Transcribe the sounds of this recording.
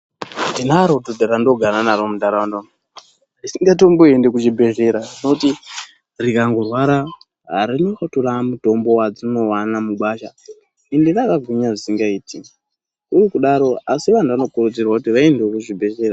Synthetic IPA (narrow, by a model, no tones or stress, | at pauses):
ndinaɾotodʱaɾandoɡʱaɾanaɾomudʱaɾawandon | isiŋɡat̬o̞mboendekut͡ʃibʱe̞ʒe̞ɾainouti | rikaŋɡorwaɾa | ɦaɾinixaturamuto̞mbo̞wad͡zino̞wanamuɓaʃa | indirakaɡʱuɲaʐisiŋɡaiːtʰi | urikuɗaɾo̞asiʋan̤uʋano̞kurud͡zirwakutiʋaendewokuʐibʱe̞ʒe̞ra